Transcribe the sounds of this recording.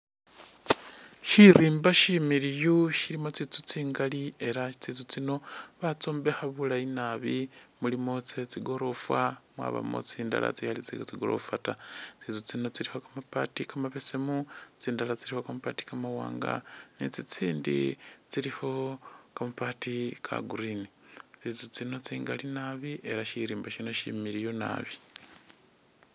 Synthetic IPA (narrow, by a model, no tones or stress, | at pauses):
ʃiɾiːmbaʃimiɾijuʃiɾimot͡sit͡sut͡siːŋɡalie̞ɾait͡sit͡sut͡sino̞βat͡soːmbe̞xaβulainaβimulimot͡set͡siɡo̞ɾo̞fwamwa̰βa̰mo̰t͡siːnda̰la̰t͡sihalit͡siot͡siɡo̞̰o̰fatat͡sit͡sut͡sinot͡siɾihokamapatikamaβesemut͡siːndalat͡siɾihokamupati̥kamawa̰ːŋɡa̰nit͡sit͡siːndḭt͡siɾiho̞kamapatikʰa̰ɡuɾinit͡sit͡sut͡sino̞t͡siːŋɡalinaβiʔe̞ɾaʃiɾiːmbaʃino̞ʃḭmiɾijona̰βi